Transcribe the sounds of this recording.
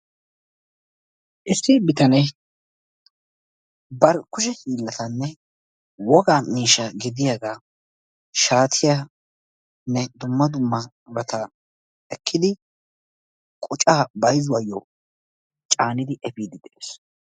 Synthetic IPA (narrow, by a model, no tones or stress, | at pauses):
ʔɪsːɪbɪt̪ɐnɛj | bɐɾkʊʃ̬ɛhiːlːɐt̪ɐnːɛ | wɔɡaːmiːʃɐɡɪd̪ɪjaɡaː | ʃaːt̪ʰɪja | nːɛd̪ʊmːɐd̪ʊmːɐ | ɾɐt̪ɐ | ɛkʰːɪd̪ɪ | kʼʊt͡ʃʼaːbɐjzʊwajːɔ | t͡ʃʼaːnɪd̪ɪʔɛfiːd̪ɪd̪ɛʔeːs